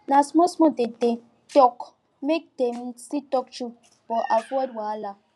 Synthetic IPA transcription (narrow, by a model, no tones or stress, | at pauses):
nasmɔsmɔ̃dete | tɔk | mek̚demsitɔk̚t͡ʃu | b̥ɔʔafɔd̚wala